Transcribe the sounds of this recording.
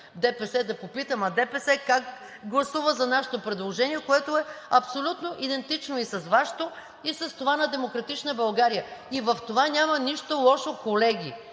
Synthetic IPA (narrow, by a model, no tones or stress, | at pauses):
d̪ɛpɛsɛd̪ɐpopit̪əmɐd̪ɛpɛsɛkak | ɡlˠɐsuvəzɐnaʃɛ̥t̪opɾɛd̪lˠoʒɛniɛkoɛt̪oɛɐpsolʲut̪noʔid̪ɛnt̪it͡ʃnoisɐzvaʃɛ̥t̪o | isɐst̪ovanɐd̪ɛmokɾɐt̪it͡ʃnəbɐlˠɡaɾijəivɐft̪ovanʲamɐniʃt̪olˠɔʃokolɛɡʲi